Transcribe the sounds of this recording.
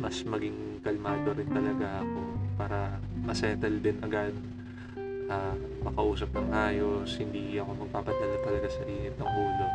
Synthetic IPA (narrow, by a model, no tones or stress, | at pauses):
mɐsmɐɡɪŋkɐlmaːd̪oɾɪnt̪ɐlɐɡaʔɐko̞paːɾɐ | mɐsɛːt̪ɐld̪ɪnɐɡad̪̚ | ʔaːmɐkɐʔuːsɐp̚nɐŋʔaːjo̞shɪnd̪iʔɐko̞mɐɡ̚paːpɐd̪ɐlat̪ɐlɐɡasɐʔiːhɪp̪̚nɐŋhuːlo